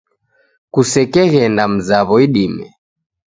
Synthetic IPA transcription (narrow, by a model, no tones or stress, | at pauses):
kusɛkɛɣɛndam̩zaβɔiɗimɛ̰